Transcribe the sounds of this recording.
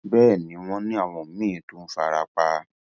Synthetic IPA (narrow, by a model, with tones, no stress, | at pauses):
bɛː˦˨nĩ˨˦w̃ɔ̃˧nĩ˦a˦˨w̃ɔ̃˨m̩˨˦mĩ˦˨˦tu˦n̩˦fa˧ɾa˧k͡pa˧